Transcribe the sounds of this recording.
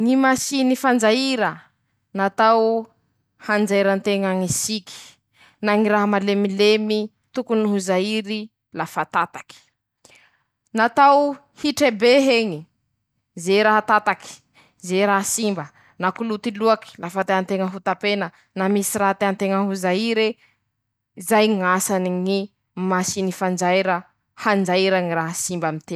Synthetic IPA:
ŋimasinifand͡zaiɾə | nat̪aw | hand͡zaiɾant̪eŋaŋisikʲi̥ | naŋiɾaɦəmalemilemi | t̪ukuniɦuzaiɾi | lafat̪at̪ḁki̥ | nat̪aw | hiʈ͡ʂebeɦeŋi | zeɾaɦat̪at̪aki̥ | zeɾaɦasimbə | nakulut̪iluaki̥lafat̪eɦant̪eŋəɦut̪apenə | namisiɾaɦat̪eant̪eŋəɦuzaiɾe | izajŋasaniŋi | masinifand͡ʒajɾə | hand͡zaɾaŋiɾaɦasimbamit̪e

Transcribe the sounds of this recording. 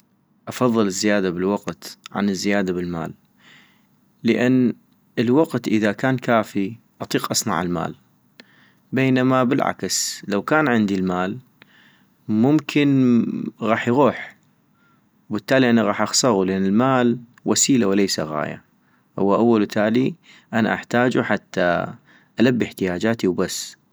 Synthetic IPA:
ʔɑfɑðˤːɨlɪzːɪjaːd̪abɪlwaqt̪ʕa̰nəzːɪjaːd̪abɪlma̰ːl | əʔanː | əlwaqt̪ʔəðakaːnkaːfi | ʔɑt̪ˤiːqʔɑsˤnɑ̰ʕɪlma̰ːl | beːnamabɪlʕa̰kslawkaːnʕɪnd̪ilmaːl | mʊmkʰɪn | ɣɑːħjɣuːħ | wbət̪ːaːliʔanaɣɑːħʔɑxsˤɑɣulʔanːɪlmaːl | wʔasiːlawlejsa̰ɣa̰ːja̰ | hʊ̰wːaʔawːalt̪ʰaːli | ʔana̰ʔaħt̪aːd͡ʒuħat̪ʰːa̰ | ʔalabːiħt̪ɪjaːd͡ʒaːt̪iwbasː

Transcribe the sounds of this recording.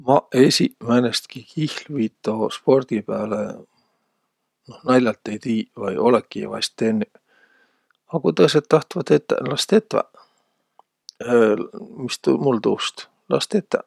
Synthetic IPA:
mɑesʲimænest̪kikihlviːt̪ːˑospo̞rd̪̥ipæːlḛ | nohnɑjlʲːɑlt̪ːejt̪iːvɑjo̞lekːˑivɑ̰st̪ːenːy | ɑkut̪ɤsed̪̚t̪ːɑht̪vɑt̪et̪ːˑæ̰lɑst̪et̪ːˑvæ̰ | mist̪umult̪uːst̪ | lɑst̪et̪ːæ̰

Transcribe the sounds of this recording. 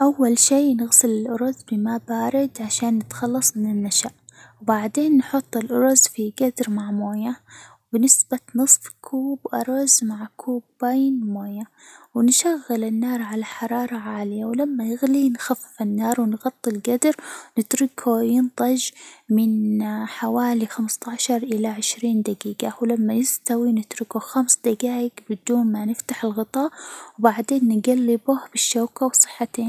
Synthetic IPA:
ʔawːalʃiːnɪɣsɪlɪlʔʊɾˤʊzbɪmabaːɾɪd̪ʕaʃaːnːɪt̪xɑlːɑsˤmɪnɪlmaʃaːʔwbaʕd̪eːnːħʊt̪ˤːɪlʔʊɾˤʊzfiɡad̪ɾmaʕmoːjawbɪnɪsbanɨsˤfkʰuːbʔɑɾˤɑzmaʕkʰuːbːajnmoːja | wnʃaɣːɪlɪnːɑːɾˤʕalaħɑɾˤɑːɾˤɑʕaːlɪjawlamːajɪɣlinxafːɪ̥fɪnːɑːɾˤwɪnɣɑt̪ˤːɪlɡad̪ɾnɪt̪ɾɪkʰujɪnt̪ˤɑd͡ʒmɪnħawaːlixamst̪aʕʃɑɾˤʔɪlaʕɪʃɾiːnd̪aɡiːɡawlamːajɪst̪awinɪt̪ɾɪkuxamsd̪aɡaːjɪkbɪd̪uːnmanɪft̪aħɪlɣɨt̪ˤɑːʔwbaʕd̪eːnːɪɡalːɪbʊhbɪʃːaːkawsˤɨ̥ħːat̪eːn

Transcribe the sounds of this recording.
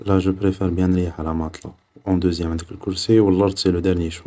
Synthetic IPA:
læʒəpɾefɛɾbjæ̃nɾijʕalæmɑt̪ˤlɑ | ʔɔ̃d̪əzjæmʕənd̪əkəlkʊɾsiwəlːɑɾt̪siləd̪əɾnjiʃ

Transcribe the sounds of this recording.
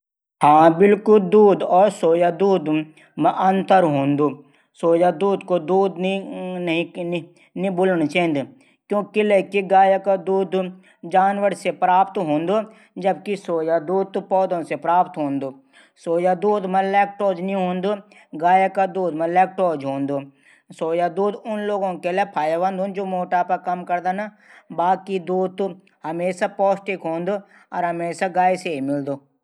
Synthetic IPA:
hãːbɪlkʊld̪uːd̪ɔːɾsoːjad̪uːd̪ | mʔɐnt̪əɾɦõːnd̪uː | soːjad̪uːd̪kod̪uːd̪nɦĩ | nibʊlnt͡ʃãnd̪ | kjõːkileːkiɡaːjakad̪uːd̪ | d͡ʒaːnʋəɾsepɾaːpt̪ɦõːnd̪o | d͡ʒəb̚kisoːjad̪uːd̪̚t̪pɔːd̪õsepɾaːpt̪ɦõːnd̪oː | soːjad̪uːd̪mɐlɛːk̚ʈoːd͡ʒnĩɦõːnd̪o | ɡaːjakad̪uːd̪mɐlɛːk̚ʈoːd͡ʒɦõːnd̪oː | soːjad̪uːd̪ʊnloːɡõkelepʰaːjaʋɐ̃nd̪ɦõːnd͡ʒoːmoːʈapɐkɐmkɐɾd̪ana | baːkid̪uːt̪ː | ɦɐmeːsapɔːsʈɪkɦõːnd̪o | ɔːɾɦɐmeːsaɡaːiseimɪld̪oː

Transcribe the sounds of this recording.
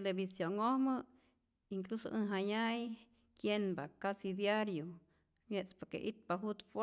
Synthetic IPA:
elebisjoŋohmɨ | iŋkluso̰ʔɨnɦaɲaj | kjenbakasid̪jaɾjo | mjet͡spoɾkḛʔḭt̪̚paɦut̪p

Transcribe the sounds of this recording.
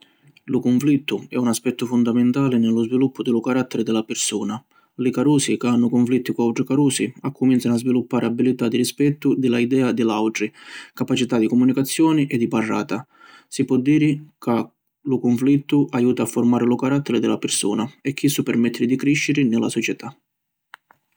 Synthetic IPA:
lʊkʊɱflit̪ːʊɛunaspɛt̪ːʊfʊnd̪amɪnt̪aːlɪnɪlʊzvilupːʊd̪ɪlʊkaɾat̪ːɛɾɪd̪ɪlapɪrsuːna | lɪkaɾuːsikɪanːʊkʊɱflit̪ːikuawʈɾikaɾuːsiakʰːʊminsanʊazvilupːaːɾɪabilit̪ad̪iɾispɛt̪ːʊd̪ɪlaid̪ɛːad̪ɪlawʈɾikapat͡ʃit̪ad̪ikɔmunikat̪sːjɔːnɪʔɛd̪ːiparːa̰ːt̪a | sipwɔd̪ːiːɾɪka | lʊkʊɱflit̪ːʊʔajuːt̪aːfːʊrmaːɾɪlʊkaɾat̪ʰːɛɾɪd̪ɪlapɪrsṵːnaɛkʰːisːupɛrmɛt̪ʰːɾɪd̪ikɾiʃːɪɾɪnɪla̰sɔt͡ʃɛt̪ʰa

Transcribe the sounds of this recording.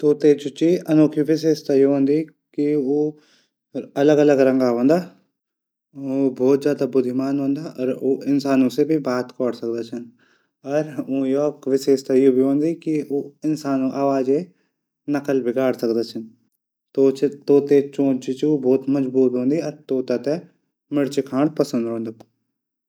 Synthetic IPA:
t̪oːt̪eːt͡ʃʊt͡ʃiɐnoːkʰiʋɪseːʃt̪aːjoɦõːnd̪iː | kioː | ɐləɡɐləɡɾɐ̃ŋɡaɦõːnd̪aː | obʱɔːt̪zjaːd̪abʊd̪ʱimaːnɦõːnd̪aːʔɔːɾoːɪnsaːnõsebʱibaːt̪kɔːɽsɐk̚d̪at͡ʃʰɐn | ɔɾojokʋɪʃeːʃt̪ajobʱiɦõːnd̪ikioːɪnsaːnõʔaːʋaːd͡ʒe | nɐkəlbʱɪɡaːɽsəkd̪at͡ʃʰən | t̪oːt͡ʃʰt̪oːt̪et͡ʃõːt͡ʃit͡ʃobʱɔːt̪mɐd͡ʒbuːt̪ɦõːnd̪iɔːɾt̪oːt̪at̪e | mɪɽt͡ʃɪkʰaːɳpɐsə̃nd̪ɦõːnd̪a

